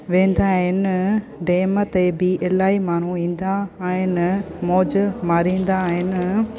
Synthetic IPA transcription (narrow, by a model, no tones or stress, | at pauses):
ʋẽːnd̪aːɦɪn | ɖeːmɐt̪eːbiːʔelaːimaːn̤ũĩːnd̪aːɪnmoːd͡ʒmaɾiːnd̪aːɦɪn